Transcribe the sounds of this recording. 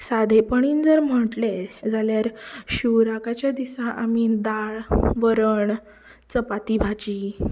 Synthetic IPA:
sad̪ʱepəɳ̃iːnd͡zəɾm̤əʈled͡zaljaɾɕuwɾakat͡ɕjad̪isãʔamid̪aɭʋəɾəɳ | t͡səpat̪ibʱat͡ɕiː

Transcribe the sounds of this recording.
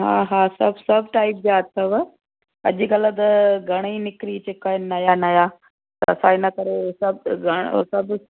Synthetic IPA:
ɦa̰ːɦãːsɐbsɐbʱʈaːɪp̚d͡ʑaːt̪ʰɐʋ | ɐʄɡɐlət̪ɐɡʱɐɽ̃inɪkɾit͡ɕekaːɪnnɐjanɐja | t̪ɐɐ̰sãːɪnɐkɐɾesɐbʱɡʱɐɽ̃sɐb

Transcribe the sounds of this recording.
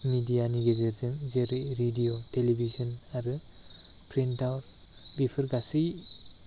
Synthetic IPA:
midijaniɡezeɾzɯmzeɾiɾidijotelebʱizɔnaɾɯ | pʰɾentawɾ | bipʰɯɾɡasi

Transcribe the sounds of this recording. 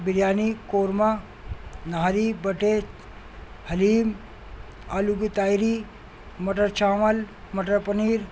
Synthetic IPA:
biɾjaːnikoːɾma | naaɾibəʈe | hɐliːm | aluɡut̪aːjɾi | mɐʈəɾt͡ʃaːmɐl | mɐʈəɾpɐniːɾ

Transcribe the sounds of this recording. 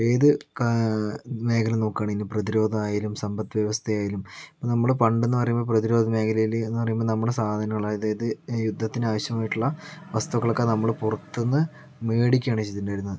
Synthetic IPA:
eːðɨ | me̞ːkʰɐlɐno̞ːkːaːɳinːɨprɐðiɾo̞ːd̪ʱɐaːjilumsɐmbɐt̪ːɨʋjeʋɐst̪ʰɐjaːjilumipːoːnɐmːɐɭpɐɳɖenːɨpɐrɐjumboɭprɐðiɾo̞ːd̪ɐme̞ːkʰɐlɐjilenːɨpɐrɐjumboːnɐmːɐɽesaːd̪ʱɐnɐŋːɐɭaːjɐðejɐðɨjud̪ʱːɐt̪ːinaːʋɐɕjɐmaːjiʈːuɭːɐʋɐst̪uɐɣːɐɭo̞kːenɐmːɐɭpurɐt̪ːenːɨ | me̞ːɽikʲːaːɳit͡ɕet̪ːindaːjiɾunːɐðɨ

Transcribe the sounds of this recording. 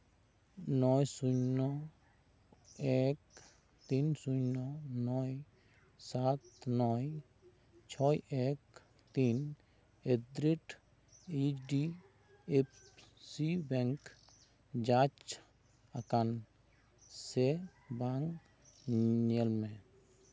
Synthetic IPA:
nɔjsunɔ | ek̚ | t̪insunɔnɔj | sat̪nɔj | t͡ʃʰɔjek | t̪in | ed̪ɾeʈ | ed͡ʒɖi | ep | sibɛŋk | d͡ʒat͡ʃ | akan | sebaŋ | ɲelmẽ

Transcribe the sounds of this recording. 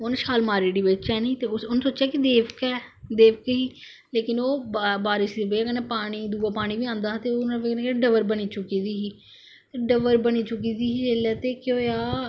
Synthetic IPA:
onʃaːlmaːɾiːɽiːʋɪt͡ʃɛːniːt̪eːʊsʊnːsoːt͡ʃaːkɪd̪eːʋkɛːd̪eːʋkɦiː | leːkɪnoːbaːɾɪʃd̪ibeakənepaːɽ̃iːd̪uːaːpaːɽ̃iːʋiːãːnd̪aːt̪eːoːneknekɖəʋəɾbəniːt͡ʃʊkiːd̪iːɦiː | t̪eːɖəʋəɾbəniːt͡ʃʊkiːd̪iːɦiːd͡ʒeːlɛːt̪eːkjõːjaː

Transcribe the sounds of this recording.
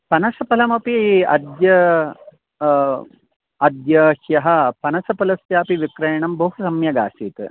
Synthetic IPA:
pɐnɐsɐpɐlɐmɐpiɐ̰d̪jɐ | ɐd̪jɐhjɐɦɐ̆pɐnɐsɐpɐlɐsjaːpiʋikɾɐjɳɐmbɐɦusɐmjɐɡa̰ːsiːt̪

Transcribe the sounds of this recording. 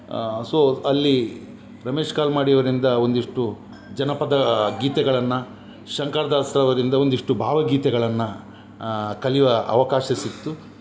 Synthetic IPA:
soːɐlːi | ɾɐme̞ːʂkaːlmaːɽijɐʋɐɾind̪ɐo̞nd̪iʂʈu | d͡ʒɐnɐpɐd̪ɐɡiːt̪ɛɡɐɭɐnːɐ | ʃɐŋkɐɾɐd̪aːsɾɐʋɐɾind̪ɐo̞nd̪iʂʈubʱaːʋɐɡiːt̪ɛɡɐɭɐnːɐ | kɐliʋɐɐ̰ʋɐkaːʃɐsit̪ːu

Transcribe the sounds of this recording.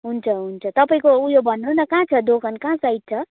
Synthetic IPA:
ɦunt͡sʰʌɦunt͡sʰʌt̪ʌpaĩkoujobʱʌnːunʌkãt͡sʰʌd̪okʰʌnkãsaj̚t͡sʰʌ

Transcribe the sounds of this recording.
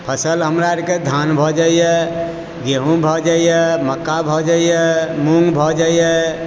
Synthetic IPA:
pʰəsəlɦəmɾaɾked̪ʱanbʱɔd͡ʒaijɛ | ɡeɦũbʱɔd͡ʒaijɛməkːabʱɔd͡ʒaijɛmuŋɡbʱɔd͡ʒaijɛ

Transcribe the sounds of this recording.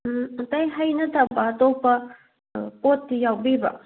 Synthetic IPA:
tɐjɦɐjnɐtʰɐbɐːtopɐ | potːijawbibɐ̰

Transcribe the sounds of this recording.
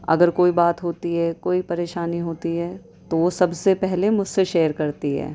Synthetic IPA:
ɐ̰ɡəɾkoːibaːt̪ɦoːt̪iɦɛkoːipɐɾeːʃaːniɦoːt̪iɦɛː | t̪oʋosɐbsepɛɦlemʊd͡ʒseʃeːjəɾkɐɾt̪iɦɛ̰ː

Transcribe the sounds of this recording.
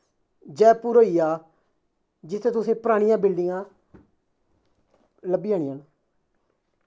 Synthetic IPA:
d͡ʒɛːpuːɾoːijaː | d͡ʒɪsʰeːt̪ʊsẽːpəɾaːɽ̃ijãːbɪlɖɪjãː | ləbiːaːɽijãːnaː

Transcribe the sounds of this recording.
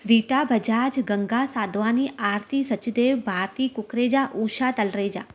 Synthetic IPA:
ɾiːʈabʱəd͡ʒaːd͡ʒɡəŋɡasaːd̪ʋaːniʔaːɾt̪isət͡ʃd̪eːʋbʱaːɾt̪iːkʊkɾeːd͡ʒaʔuːʃat̪əlɾed͡ʒaː

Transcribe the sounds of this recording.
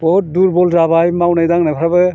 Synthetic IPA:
bɔuduɾbɔlzabajmawnajdaŋnapʰaɾabɯ

